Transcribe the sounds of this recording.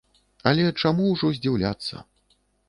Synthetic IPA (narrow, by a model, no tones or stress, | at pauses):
ɐlʲɛt͡ʂamuwʐɔzʲd͡zʲiwlʲa̰t̪sːɐ̰